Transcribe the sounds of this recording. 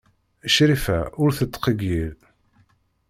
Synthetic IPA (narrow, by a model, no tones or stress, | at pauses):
əʃɾifæʊɾθət̪ˤːqəɡil